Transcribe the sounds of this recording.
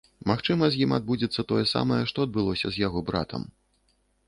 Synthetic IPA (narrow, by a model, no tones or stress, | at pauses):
maxt͡ʂɨmɐzʲjimad̪̚bud͡zʲit̪sːɐt̪ɔjɛsa̰mɐjɛʂt̪ɔɐd̪̚bɨlˠɔsʲɐ̰zʲjaɣɔbɾa̰t̪ʰɐ̰m